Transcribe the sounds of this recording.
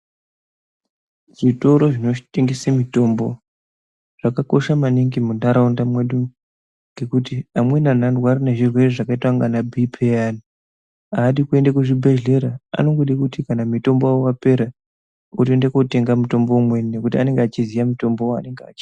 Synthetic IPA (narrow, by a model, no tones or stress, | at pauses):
ʐito̞ɾo̞ʐino̞t͡ʃiteŋɡisamito̞mbo̞ | ʐ̥akako̞ʃamaniŋɡimundaɾaundamweɗu | ŋɡe̞kutiamwe̞nan̤andwaɾineʐirwe̞riʐakaitwaŋɡanabʱipʰeani | aːɗikue̞ndakuʐibʱe̞ɮe̞ɾaa̰no̞ŋɡoɗikutikanamito̞mboaowape̞ɾa | otendekote̞ŋɡamuto̞mbo̞umwe̞nekutiane̞ŋɡeat͡ʃizijamito̞mboa̰ne̞ŋɡea̰ːt͡ʃi̥